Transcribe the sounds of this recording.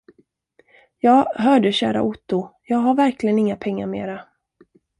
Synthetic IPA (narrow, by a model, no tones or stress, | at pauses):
jɑːɦœːɖəɕæ̰ːɾa̰ʔʊt̪ːʊjɑːɡɦaɾvæɾklɪɡənɪŋːapʰɛŋːa̰ɾmḛːɾa